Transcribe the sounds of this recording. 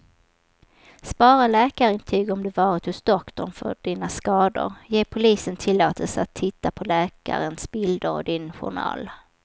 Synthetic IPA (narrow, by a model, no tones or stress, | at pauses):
spɑːɾalɛːkaɾɪnt̪ʰyːɡɔmd̪ɵvɑːɾɪt̪hʊsd̪ɔkt̪ɔɳfœ̰ɖiːnaskɑːd̪ʊ̰ɾjeːpʰʊliːsənt̪ʰɪlːoːt̪ʰəlsat̪ʰːɪt̪ːapʰɔlɛːka̰ɾənsbɪld̪əɾɔ̰d̪ɪnɧʊ̰ɳɑ̰ːl